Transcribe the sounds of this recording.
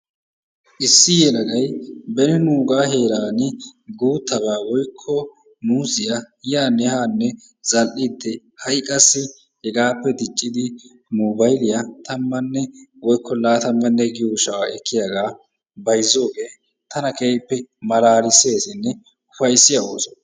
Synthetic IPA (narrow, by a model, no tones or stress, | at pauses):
ʔɪsːɪjɛlɐɡɐjbɛnɪnuːɡaːɦeːɾaːnɪɡuːt̪ʰːɐbaːwɔjkʰːɔ | nuːsɪja | jaːnɛhaːnːɛ | z̥ɐlʔɪd̪ːɛ | hɐjkʼɐsːɪ | hɛɡaːpːɛd̪ɪt͡ʃʼːɪd̪ɪ | mubɐjɪlɪjat̪ɐmːɐnːɛwɔjkːɔlaːt̪ɐmːɐnːɛɡɪjoːʃɐwaɛkʰːɪjaɡaː | bɐjzːo̞ːɡeː | t̪ʰɐnɐkepːɛmɐlaːɾɪse̞ːsɪnːɛ | ʊfɐjsːɪjɐoːsɔ